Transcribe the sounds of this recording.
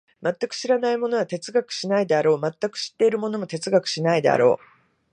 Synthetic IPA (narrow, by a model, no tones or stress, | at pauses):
mat̪ːakɯ̟̥ɕiɾanaimo̞no̞βat̪e̞t͡sɨɡakɯ̥ɕinaid̪e̞aɾo̞ːmat̪ːakɯ̟̥ɕi̥t̪ːe̞iɾɯ̟mo̞no̞mo̞t̪e̞t͡sɨɡakɯ̥ɕinaid̪e̞̰a̰ɾo̞ː